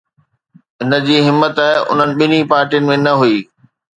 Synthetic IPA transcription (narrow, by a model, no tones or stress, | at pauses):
ɦɪnə̆d͡ʑiːɦɪmːət̪aːɦɪʔʊ̰n̤ənɪ̆ɓɪnipaːɾʈijənɪ̆mẽnɐɦuiː